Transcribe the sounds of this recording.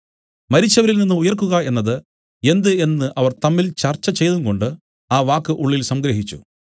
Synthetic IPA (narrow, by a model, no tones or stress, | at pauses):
mɐɾit͡ɕːɐʋɐɾilninːɨujɐrkːuɣɐe̞nːɐðɨ | e̞nd̪ɨe̞nːɨʔɐʋɐrt̪ɐmːilt͡ɕɐrt͡ɕːɐt͡ɕe̞jt̪uŋko̞ɳɖɨ | aːʋaːkːɨʔuɭːilsɐmɡɾɐɦit͡ɕːṵ